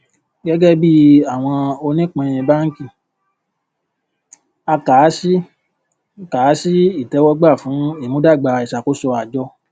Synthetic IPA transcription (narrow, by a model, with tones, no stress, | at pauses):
ɡɛ˦ɡɛ˦bi˦a˦˨w̃ɔ̃˧o˧nĩ˦k͡pɔ̃˧j̃ĩ˧ba˦ŋ̩˦ki˦˨ | a˧kaː˨˦si˦ | ka˨˦si˦i˦˨tɛ˨˦wɔ˦ɡ͡ba˦˨fũ˨˦i˦˨nũ˨˦da˦˨ɡ͡ba˧i˨ʃa˨ko˨˦sɔ˧a˨d͡ʒɔ˧